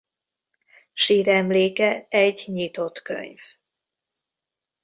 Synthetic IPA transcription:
ʃiːɾɛmleːkɛɛɟɲit̪o̞t̪kø̰ɲv

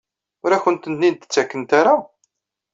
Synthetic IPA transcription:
ʊɾæçənt̪ənnint̪ə̥t͡sːækːənt̪aɾa

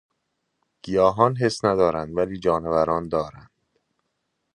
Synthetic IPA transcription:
ɡ̥ijɒːɦɒːnɦe̞snæd̪ɒːɾænd̪væliːd͡ʒɒːnevæɾɒːnd̪ɒːɾænd̪̥

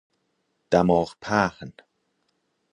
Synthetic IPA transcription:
d̪̥amɔːxpʰaːxən

